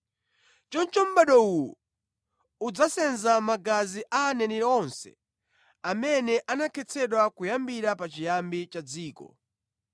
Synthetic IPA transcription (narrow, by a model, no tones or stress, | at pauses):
t͡ʃɔnt͡ʃɔm̩ɓaɗɔuju | ud͡zasɛnzamaɡaziʔaːnɛnɛɾɛɔnsɛ̰ | amɛnɛʔanakʰɛt͡sʰɛɗwakujambiɾapat͡ʃijambit͡ʃad͡ziːkɔ̰